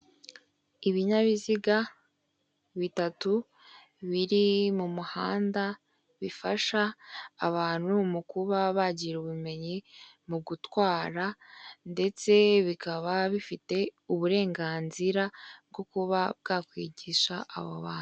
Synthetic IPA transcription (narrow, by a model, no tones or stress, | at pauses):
iβiɲaβiziɡa | βitatu | βiɾimumuhaːnda | βifaʃaːβaːn̥humukuβaβaɟiɾuβume̞ɲi | muɡutwaːɾande̞t͡se̞βikaβaβifite̞uβuɾe̞ːŋɡaːnziɾaβɡo̞kuβab̚ɡaːkwiːɟiʃaʔːβoβaːnu